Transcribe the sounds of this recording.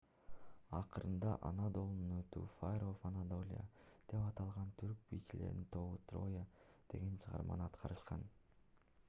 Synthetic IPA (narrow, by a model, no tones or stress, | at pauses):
ɑqɯɾɯnd̪ɑʔɑnad̪o̞lˠnunøt̪ṵːfajɾofanad̪o̞lʲɪ̰ja̰d̪̥e̞pɑt̪ɑlˠʁɑnt̪ʰyɾk̚bijt͡ʃile̞̰ɾd̪int̪ʰo̞βut̪ro̞̰ja | d̪̥e̞ɡe̞nt͡ʃʰɯʁɑ̰ɾmɑ̰nɯɑt̪qʰɑɾɯʃqɑn